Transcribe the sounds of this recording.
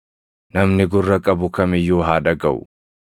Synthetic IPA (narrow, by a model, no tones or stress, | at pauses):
nɐmnɪɡʊrːɐkʼɐbʊkɐmɪjːoːɦaːᶑɐɡɐʔʊ̰